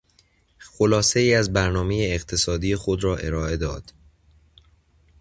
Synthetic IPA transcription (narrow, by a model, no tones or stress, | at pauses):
xolɒːse̞iːæzbæɾnɒːme̞jeːqt̪ʰe̞sɒːd̪iːjexod̪ɾɒːʔe̞ɾɒːe̞d̪ɒːd̪̥